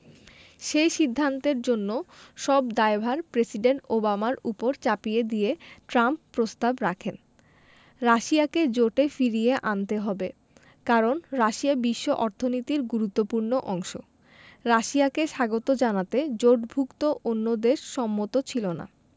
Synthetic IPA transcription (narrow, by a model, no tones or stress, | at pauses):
ʃejʃid̪ʱːant̪eɾd͡ʑonːoʃɔbd̪aebʱaɾpɾesiɖeɳʈobamaɾupoɾt͡ɕapied̪ieʈɾampːɾost̪abɾakʰen | ɾaʃiaked͡ʑoʈefiɾijeʔant̪eɦɔbe | kaɾonɾaʃiabiʃːoʔɔɾt̪ʰonit̪iɾɡuɾut̪ːopuɾnoʔɔŋʃo̰ | ɾaʃiakeʃaɡot̪od͡ʑanat̪ed͡ʑoʈbʱukt̪oʔonːod̪eʃʃɔmːot̪ot͡ɕʰilona̰